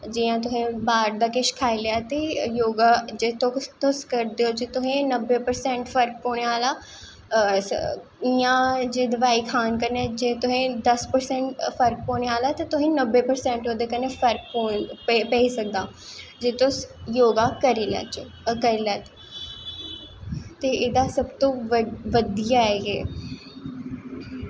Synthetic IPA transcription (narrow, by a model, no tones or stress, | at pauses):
d͡ʒiːãːt̪ʊɦĩbaːɾd̪akeʃkʰaːilejat̪ijoːɡad͡ʒeːt̪ʰõt̪ʊskəɾd̪eod͡ʒet̪ʊɦẽnəbːepəɾsɛ̃ɳʈfʰəɾk̚poːɽ̃eaːlaː | ijãːd͡ʒeːd̪ɐʋaːikʰaːnkəɾned͡ʒeːt̪ʊɦẽd̪ɐspəɾsɛ̃ɳʈpʰəɾk̚poːɳeaːlaːt̪at̪ʊɦĩːnəbːeːpəɾsɛ̃ɳʈoːd̪eːkənːepʰəɾk̚poːpəisək̚d̪aː | d͡ʒeːt̪ʊsjoːɡaːkəɾiːlɛ̰t͡ʃ | kəɾilɛːt̪ | t̪eːɪd̪aːsəbt̪õːʋʋəd̪ijaːɛːɡeː